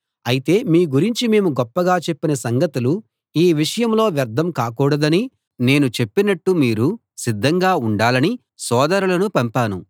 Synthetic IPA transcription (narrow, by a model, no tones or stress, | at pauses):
ɐjit̪e̞ːmiːɡuɾiɲt͡ʃime̞ːmuɡɔpːɐɡaːt͡ʃe̞pːinɐsɐŋɡɐt̪ulu | iːʋiʂɐjɐmlo̞ːʋjɐɾd̪ʱɐmkaːkuːɽɐd̪ɐni | ne̞ːnut͡ʃe̞pːinɐʈːumiːɾu | sid̪ʱːɐŋɡaːuɳɖaːlɐni | sɔːd̪ɐɾulɐnupɐmpaːnu